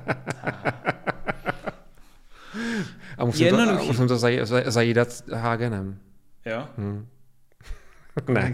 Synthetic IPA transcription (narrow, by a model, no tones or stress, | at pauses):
ʔamusimɛnodumṵsɛmt̪ozajizajiːdat̪ɦaːɡɛnɛmjo | nɛ̰